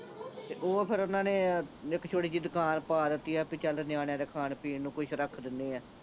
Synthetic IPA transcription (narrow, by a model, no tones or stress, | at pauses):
t̪eːʔoːpʰɪɾʊnãːneːɪkt͡ʃʰoːɽiːd͡ʒiːd̪ʊkaːnpaːd̪ɪt̪ːiːɛːpit͡ʃəlnɪjaːɽ̃jãd̪eːkʰaːnpiːnnũːkʊʃʰɾəkʰd̪ɪnːeːɛː